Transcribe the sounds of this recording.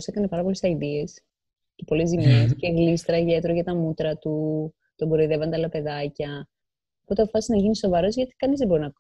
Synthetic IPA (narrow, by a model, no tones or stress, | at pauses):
se̞kɐnepɐɾɐpo̞lesɐiðie̞s | cepo̞lezimesceɣlist̪ɾɐʝet̪ɾoʝɐt̪ɐmut̪ɾɐt̪u | t̪oɡo̞ɾoiðe̞vɐnd̪eɐlɐpe̞ðɐcɐ | opo̞t̪eɐpofɐsinɐʝiniso̞vɐɾo̞zʝɐt̪i̥kɐnizðebo̞ɾinɐ